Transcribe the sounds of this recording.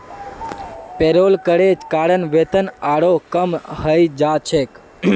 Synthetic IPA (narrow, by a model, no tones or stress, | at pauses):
peɾolkəɽed͡ʒkaːɽənʋet̪ənaɽokəmɦəjd͡ʒat͡ʃʰek